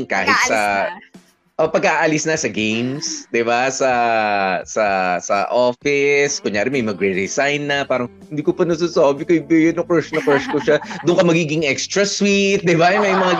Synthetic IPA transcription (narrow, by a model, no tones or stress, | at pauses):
ka̰ːhɪt̪̚sɐ | ʔopɐɡɐaʔaːʔalɪsnɐsɐɡejmsd̪ɪbasɐ | sɐsɐ̰ʔoːfɪskʊŋjaːɾɪmɐjmɐɡɾɛɾɛsajnːɐpaːɾɐŋhɪnd̪iːkʊpɐnɐs̬osoːbɪkɐɪbɪɡɐnɐkɛsnɐkɛɹskʊʃad̪ʊŋkɐmɐɡiːɡɪŋɛkst̪ɾɐswit̪̚d̪ɪbamɐjmɐŋa